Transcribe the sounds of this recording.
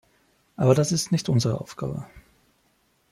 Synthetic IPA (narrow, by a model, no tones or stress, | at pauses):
ʔaːbɐdasɪstnɪçtʔʊnzəʁə̰ʔa̰ʊfɡ̥a̰ːbə̰